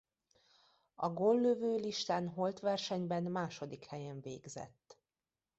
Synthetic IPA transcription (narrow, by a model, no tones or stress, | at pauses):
ɒɡolːøvøːliʃt̪aːnɦo̞lt̪ʋɛrʃɛɲbɛnmaːʃo̞d̪ikhɛjɛɱveːɡzɛ̰t̪ː